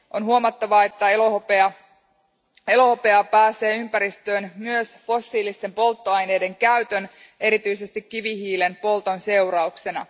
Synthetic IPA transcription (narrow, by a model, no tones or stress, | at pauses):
ʔo̞nɦuomɑt̪ːɑʋɑe̞t̪ːæeloopeɑ | e̞lo̞hopeɑpæːse̞ːympæɾist̪ø̞ːnmyøsfo̞sːiːlist̪e̞mpo̞lt̪ːo̞ɑjne̞ːde̞ŋkæyt̪øn | e̞ɾit̪yjse̞st̪ikːiʋiɦiːlenpo̞lt̪o̞nse̞uɾɑukse̞nɑ